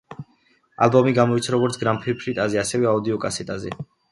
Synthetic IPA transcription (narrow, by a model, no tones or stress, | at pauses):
a̰lbɔmiɡamɔit̪sʰɾaɾɔɡɔɾt̪sʰɡɾampʰipʰɾit̪ʼazɛasɛvɛaud̪iɔkʼasɛt̪ʼazɛ̰